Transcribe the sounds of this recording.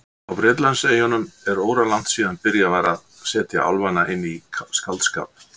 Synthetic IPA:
awvɾɪːt̪lanseːjɔnʏmɛɾoːwɾalan̥t̪siːðanpɪɾjavaːɾað | sɛːt̪ja̰ʔa̰lvanaʔɪnːiskalt̪ska̰ːp̚

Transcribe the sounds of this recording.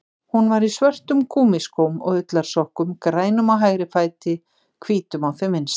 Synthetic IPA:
hunvaɾisvœr̥t̪ʏmkʰuːmiskowmɔ̰ɣʏt̪laɾ̥sɔhkʏmkɾaːjnʏmawɦajɣɾɪfaːjt̪ɪ | kʰviːt̪ʏmawθɪmɪns

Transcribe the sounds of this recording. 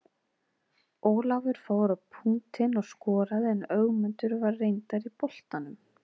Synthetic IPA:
oːwlawvɪɾ̥foːwɾawpʰuŋt̪ɪnɔɣskɔːɾaðɪɛnœɣmɛnt̪ʏɾvaɾːejnt̪aɾipol̥t̪anʏm

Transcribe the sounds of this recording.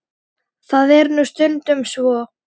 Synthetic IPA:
θaðɛɾnust̪ʏnt̪ʏmsvɔ

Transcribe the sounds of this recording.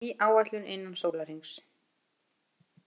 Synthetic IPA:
iʔaːwat̪lʏnḛjnːamsoːwlaɾiŋks

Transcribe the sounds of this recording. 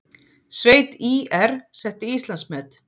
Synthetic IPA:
sveːjt̪iːɛɾsɛht̪ɪist̪lansmɛːt̪

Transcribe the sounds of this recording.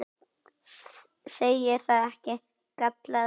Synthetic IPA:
sejɪɾ̥θaːðɛhcɪ | kap̚t̪la

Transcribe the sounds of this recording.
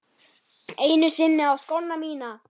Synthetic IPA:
ejnysinːeoskonːɑmiːnɑː

